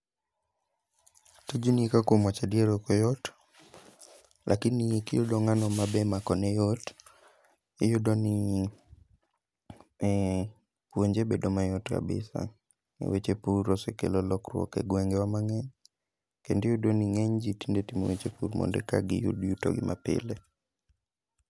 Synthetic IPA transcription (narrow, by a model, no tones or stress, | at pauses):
tod͡ʒunikakomɔt͡ʃadieɾokɔjɔt | lʔakɪnːiekijodoŋanɔmabɛmakɔnɛjɔt | ijodoni | pwoɲd͡ʒebedomajɔtka̰bɪ̰sa̰ | ḛwet͡ʃepuɾɾɔsɛkḛlɔlɔkrwɔ̰kɛ̰ɡwɛŋɡɛwamaŋɛɲ | kendijudoniŋɛɲd͡ʒitindetimowet͡ʃepuɾmɔ̰ndɛ̰kaɡḭjṵdjuto̰ɡɪ̰mʔapɪ̰le